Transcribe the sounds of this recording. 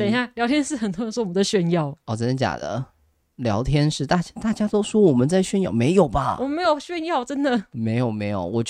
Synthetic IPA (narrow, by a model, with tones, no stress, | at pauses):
t̪ɕja˥˩ljɑ˧˥ʊt̪ʰjɛ˥nʂɻ̩˥˩xə˨˩nt̪ʰwswɔ˥wɔ˨mə˦nd̪ə˧ɕɥɛ˥˧njɑ˥˩ʊɔ˥˩t͡sə˥nd̪ə˧˩t͡ɕja̰˨˩d̪ə̰˦ | ljɑ˧˥ʊt̪ʰjɛ˥nʂɻ̩˥˧t̪a˥˩t͡ɕa˥t̪a˥˩t͡ɕja˥t̪o˥ʊswɔ˥wɔ˨˩mə˦nt͡sa˥˧ɪɕɥɛ˥˧njɑ̰˥˩ʊme˧˥ɪjo˨˩ʊbɐ˦wɔ˨m˦nme˧˥jo˨˩ʊɕɥɛ˥˧njɑ˥˧ʊʈ͡ʂə˥nd̪ə˨me˧˥ɪjo˨˩ʊme˧˥ɪjo̰˨˩ʊwɔ˨˩t͡ɕ